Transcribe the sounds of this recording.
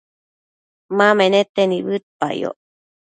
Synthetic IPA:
mãmẽnet̪eniβɨt̪̚paḭo̰

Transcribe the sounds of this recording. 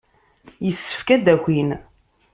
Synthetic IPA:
jəsːə̥fkæd̪æxin

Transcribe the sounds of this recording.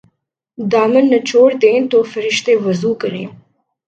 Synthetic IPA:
d̪ɑːmənːɐt͡ʃoːɽd̪ent̪ofəɾɪʃt̪ewɐzuːkəɾḛ̃

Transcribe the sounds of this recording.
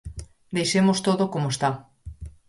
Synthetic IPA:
d̪ejʃemost̪oðokomoest̪a

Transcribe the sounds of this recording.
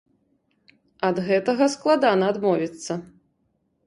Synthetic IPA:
ɐd̪ɣɛt̪ɐɣɐsklˠad̪anɐːd̪mɔvʲit̪sːɐ

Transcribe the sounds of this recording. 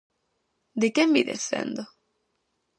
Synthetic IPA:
d̪ɪkembiðḛsθḛnd̪o

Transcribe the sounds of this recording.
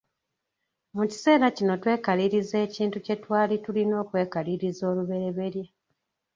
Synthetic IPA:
muci̥se̞ːɾacino̞twe̞ːkaliɾize̞ːciːntuce̞twaːlitulino̞ːkwe̞ːkaliɾizo̞ːluβe̞ɾe̞βe̞ɾje

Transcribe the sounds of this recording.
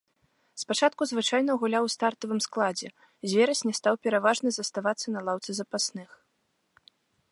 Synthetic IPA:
spat͡ʂat̪kuzvɨt͡ʂajn̪ɐɣulʲawst̪art̪ɐvɨmsklˠad͡zʲɛ | zʲvʲɛɾɐsʲnʲɛst̪awpʲɛɾavaʐnɨzɐst̪avat̪sːɐnɐlˠawt̪sɨzɐpasnɨx

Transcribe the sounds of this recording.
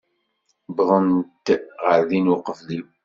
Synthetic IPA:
bðˤənt̪ʁəɾðinwʊqəfli

